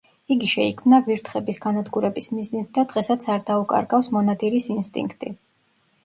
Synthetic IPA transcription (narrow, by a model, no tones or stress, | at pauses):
iɡiʃɛikʰmnaviɾt̪ʰχɛbisɡanad̪ɡuɾɛbismiznit̪̚ʰd̪ad̪ʁɛsat̪sʰaɾd̪aukʼa̰ɾɡafsmɔnad̪ʼiɾisinst̪ʼḭŋkʰt̪ʼḭ